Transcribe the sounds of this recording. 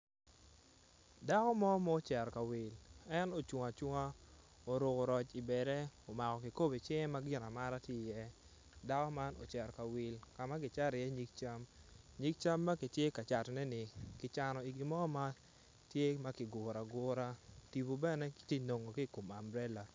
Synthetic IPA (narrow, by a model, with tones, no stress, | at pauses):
da˦kɔ˦mɔ˦ma˦o˦t͡ʃɛ˨ɾka˨wɪ˨lɛ˦no˨t͡ʃwʊ˨ŋa˨t͡ʃʊ˦ŋa˦ | o˨ɾʊ˨ko˨ɾɔ˨t͡ʃi˨bɛ˨ɾɛ˦o˨ma˨kɔ˨ki˨ko˦be˨t͡ʃɛ˦ma˦ɡɪ˦na˨ma˦ɾa˦tje˦˨jɛ˦ | da˦kɔ˦ma˦no̰˨t͡ʃɛ˨ɾka˨wɪ˨lka˨ma˦kɪ˨t͡ʃa˦ɾɪ˨jɛ˦ɲi˦k̚t͡ʃa˦m | ɲi˦k̚t͡ʃa˦mːa˦kɪ˨tje˦ka˨t͡ʃa˨tnɛ˦nɪ˨kɪ˨t͡ʃa˨nɔ˨i˨ɡɪ˨mɔ˦ma˦ | tje˦ma˦kɪ˨ɡʊ˨ɾa˨ɡʊ˦ɾa˦ti˨bo˨bɛ˦nɛ˦kɪ̥˨tje˦˨no˨ŋo˨ki˦˨ko˨ma̰˨mbɾɛ˦la˨